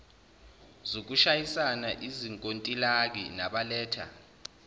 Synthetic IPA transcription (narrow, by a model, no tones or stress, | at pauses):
zok̬uʃajisanaʔiziŋkʼontʼilak̬ḭnaɓalɛːtʰa̰